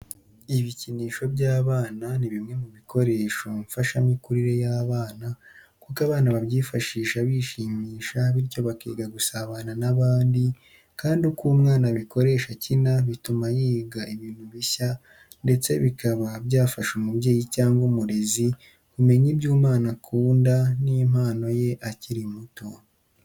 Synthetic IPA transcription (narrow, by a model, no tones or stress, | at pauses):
iβiciniːʃo̞bjaːβaːnaniβimŋe̞muβiko̞ɾe̞ːʃo̞ɱfaʃamikuɾiɾe̞jaːβaːna | kukaβaːnaβaβjiːfaʃiːʃaβiʃiːmiːʃaβiɾco̞βakiːɡaɡusaβananaβaːndi | kaːndukuːmŋaːnaβikʰo̞ɾe̞ːʃacinaβitumajiːɡaiβiːn̥huβiça | nde̞t͡se̞̰βikʰaβabjaːfaʃumubje̞ːjicaːŋɡumuɾezi | βume̞ɲibjuːmaːnakʰuːndanim̥aːno̞je̞ʔaciɾimuto